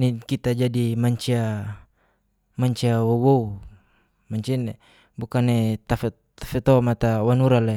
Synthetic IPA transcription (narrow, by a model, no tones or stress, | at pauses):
nikit̪ad͡ʒadimaɲt͡ʃia | maɲt͡ʃiawowou | maɲt͡ʃin | bukanet̪afe | t̪ḁfet̪ɔmat̪awanuɾala